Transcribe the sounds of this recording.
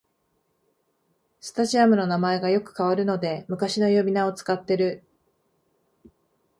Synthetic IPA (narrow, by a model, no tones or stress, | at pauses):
sɨ̥t̪aʑiamɯ̟no̞namae̞ɡajo̞kɯ̟̥kaβaɾɯ̟no̞d̪e̞mɯ̟kaɕino̞jo̞bʲinao̞t͡sɨ̥kat̪ːe̞ɾɯ̟